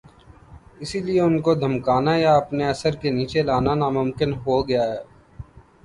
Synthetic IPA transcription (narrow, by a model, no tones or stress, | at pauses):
ɪsilieʊnkod̪ʱɐmkaːnajaɐpneɐsəɾkeniːt͡ʃelaːnanaːmʊmkɪnɦoɡɐjaɦɛː